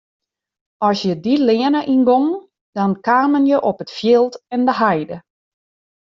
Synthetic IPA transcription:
ɔsjədilɪənəʔinɡoŋ | d̥ɔnkaːmənjəʔɔpətfjɪlˠtɛndəɦajdə

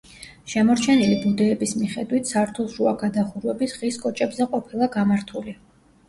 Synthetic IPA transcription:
ʃɛmɔɾt͡ʃʰɛnilibud̪ɛːbismiχɛd̪wit̪ʰsaɾt̪ʰulˠʃuaɡad̪aχuɾwɛbisʁiskʼɔt͡ʃʼɛbzɛqʼɔpʰilˠaɡamaɾt̪ʰuli

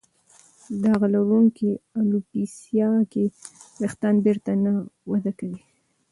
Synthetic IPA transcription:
d̪ɑɣalaɾuŋkialupisjɑkeɾext̪ɑnbeɾt̪anawad̪akəwi

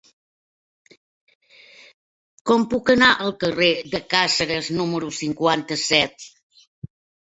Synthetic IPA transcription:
kɔmpukənaʔəlˠkəreðəkasəɾəznuməɾusiŋkwant̪əsɛt̪̚

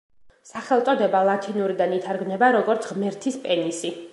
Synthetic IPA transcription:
saχɛlˠt̪sʼɔd̪ɛbalˠat̪ʰinuɾid̪anit̪ʰaɾɡmnɛbaɾɔɡɔɾt̪sʰʁmɛɾt̪ʰispʼɛnisi

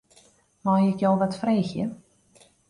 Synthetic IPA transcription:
majɪkjowʋatfreːxjə

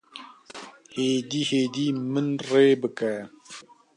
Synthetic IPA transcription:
heːd̪ihed̪imənɾeːbɨka

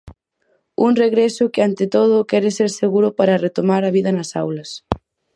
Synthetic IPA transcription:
uŋreɣɾɛsʊkɪant̪ɪt̪oð̞ʊkɛɾɪseɾseɣuɾʊpaɾɐret̪omaɾɐβiðɐnɐsawlɐs

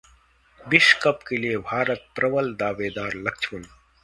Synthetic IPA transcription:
bɪʃkəpkelijebʱaːɾət̪̚pɾɐʋəld̪aːʋeːd̪aːɾlɐkt͡ʃʰən

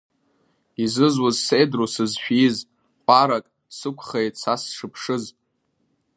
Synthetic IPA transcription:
izɨzwazsedrosɨzʃᶣiz | qʷʼaɾakʼ | sɨkʷʰχejtʼsasʂɨpʰʂɨzʼ

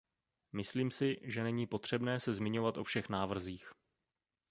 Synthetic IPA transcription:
mɪsliːmsɪʒɛnɛɲiːpo̞t̪r̝̥ɛbnɛːsɛzmɪɲo̞vat̪ʔo̞fʃɛxnaːvr̩ziːx

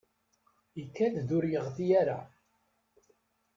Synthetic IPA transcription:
ikːæθðʊɾjəʁθijæɾa

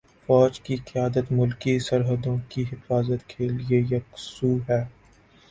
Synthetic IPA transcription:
fɔːd͡ʒkiqɪjaːd̪ət̪mʊlkisɐɾɦəd̪õkiɦɪfaːzət̪kʰeːliejɐksuːɦɛː

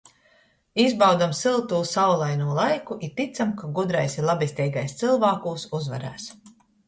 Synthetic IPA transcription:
izbawd̪amsilˠt̪uːsawlˠajnuɔlˠajkuʔiɾt̪it̪samkaɡud̪ɾajsiɾlˠabist̪ʲɛjɡajst̪silˠvaːkuːsuzva̰ɾæ̰ːs

